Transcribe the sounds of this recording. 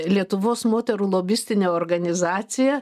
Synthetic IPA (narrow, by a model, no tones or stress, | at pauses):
lʲiɛt̪ʊʋoːsmoːt̪ʲɛɾuːlˠoːbʲɪsʲt̪ʲɪnʲeːoːɾɡɐnʲɪzɑːt̪sʲɪjɛ